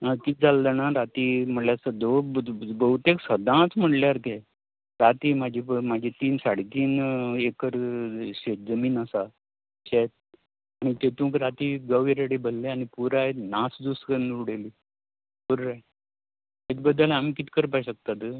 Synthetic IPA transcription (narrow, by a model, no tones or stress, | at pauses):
kit̪̚d͡zald̪ənaɾat̪iːm̤əɳljasəd̪obəɦut̪eksəd̪ʱãt͡sm̤əɽʈljaɾt̪e | ɾat̪iːmad͡ʑʱipmad͡ʑʱit̪iːnsaɽet̪iːnekəɾɕet̪̚d͡zəmiːnasa | ɕet̪̚ | aɽ̃it̪et̪ũːkɾat̪iːɡəʋiɾaɽibʱəlːeañipuɾaenasd̪uskənɾuɽeli | puɾɾa | ɦet͡sbəd̪ʱːəlamikit̪i̥kəɾpaiɕək̚t̪at̪ə